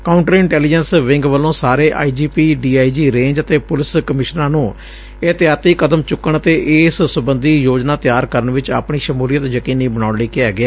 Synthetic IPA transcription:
kaːʊɳʈəɾɪ̃ɳʈɛːlɪd͡ʒənsʋɪ̃ŋɡʋəlːõːsaːɾeːʔa̰ːiːd͡ʒiːpiːɖiːaːiːd͡ʒiːɾẽːɲd͡ʒət̪eːpʊlɪskəmɪʃnãːnũː | ɪt̪ɪjaːt̪iːkəd̪əmt͡ʃʊkːəɳət̪eːʔɪssʊbənd̪iːjoːd͡ʒnaːt̪ɪjaːɾkəɾəɳʋɪt͡ʃa̰pɳiːʃəmuːlijət̪jəkiːniːbəɽaːʊɳliːkɪaːɡɪaː

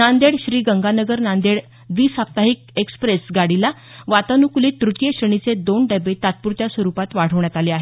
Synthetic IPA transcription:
nand̪eɽɕɾiːɡəŋɡanəɡəɾnand̪eɽ | ʋiːsap̚t̪aɦik̚ekspɾesɡaɽila | ʋat̪anukuliːt̪ːɾut̪jəɕɾəɳ̃it͡sed̪onɖebet̪at̪̚puɾt̪jasʋəɾupat̪ʋaɽ̤əʋɳjat̪aleaɦe

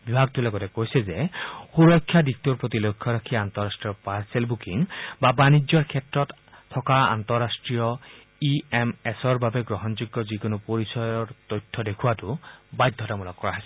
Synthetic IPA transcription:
bibʱaɡtulɔɡɔtɛkojsɛzɛxuɹɔkʰːjadik̚tuɹpotilojkʰːɔɹakʰiantɔɹastɹijɔpaɹsɛlbukiŋbabanid͡ʒɔɹkʰɛtɹɔtʰː | ɔkaa̰ntɔɹastɹijɔ | iɛmɛsɔɹbabɛɡɹɔɦɔnzuɡːɔzikʊnʊpoɹisɔjɔɹtɔjtʰːɔdekʰuwatʊbajdʱːɔtamulɔkːɔɹaɦɔjsɛ

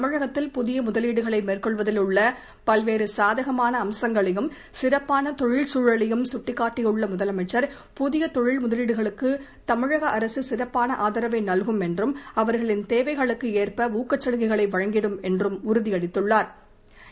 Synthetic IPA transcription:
t̪ɐmɪɻɐɣɐt̪ːɪlpʊðɪjɐmʊðɐliːɽɯɣɐɭɐɪmeːrkɔɭʋɐðɪlɯɭːɐ | pɐlʋeːɾɯsaːðɐɣɐmaːnɐːmsɐŋɡɐɭɪjɯm | sɪɾɐpːaːnɐt̪ɔɻɪɭsuːɻɐɭɪjɯmsʊʈːɪkːaːʈːɪjɯɭːɐmʊðɐlɐmɐɪt͡ʃːɐɾ | pʊðɪjɐt̪ɔɻɪɭmʊðɐliːɽɯɣɐɭɯkːɯt̪ɐmɪɻɐɣɐʔɐɾɐsɯsɪɾɐpːaːnɐʔaːðɐɾɐʋɐɪnɐlɣɯmɛndrɯmɐʋɐɾɣɐɭɪnt̪eːʋɐɪɣɐɭɯkːɯeːrpɐuːkːɐt͡ʃːɐɻɯɣɐɪɣɐɭɐɪʋɐɻɐŋɡɪɽɯmɛndrɯmʊɾʊðiɐɽɪt̪ːɯɭːaːɾ

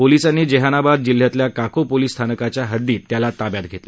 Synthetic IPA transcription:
polisanːiːd͡ʑeɦanabad̪̚d͡ʑil̤ːjat̪ljakakopoliːst̪ʰanəkat͡ɕjaɦəd̪ːiːt̪ːjalat̪abjat̪̚ɡʱet̪lə

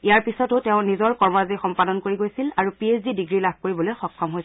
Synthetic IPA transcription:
ijaɹpisɔtʊtɛʊ̃nizɔɹkɔɹmɔɹazixɔmpadɔnkoɹiɡojsilaɹupiesdidiɡɹilab̚ʱkoɹibɔlojxɔkʰːɔmɦoj

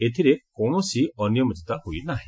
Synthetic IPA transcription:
et̪ʰiɾekɔɽ̃ɔsiɔnjɔmɔt͡ʃt̪ahujnaɦẽ

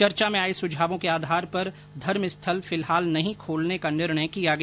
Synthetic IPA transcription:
t͡ʃɐɾt͡ʃamẽaːisʊd͡ʒʱaːʋõkeaːd̪ʱaːɾpɐɾ | d̪ʱɐɾmɪst̪ʰəlfɪlɦaːlnɐɦĩkʰoːlnekanɪɾɳ̃əjkijaɡɐ

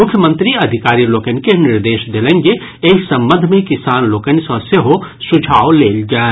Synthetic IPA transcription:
mʊkʰjəmə̃nt̪ɾiɐd̪ʱɪkaːɾiloːkənkenɪɾd̪eːʃd̪elẽŋɡe | eːksɐ̃mbə̃nd̪ʱmẽkɪsaːnloːkənsɔseɦosʊd͡ʒʱaːwleːld͡ʒaːe

